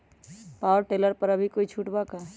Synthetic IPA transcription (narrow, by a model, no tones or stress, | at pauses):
paːəɾʈeːləɾpəɾəbʱikoːit͡ʃʰuʈbaka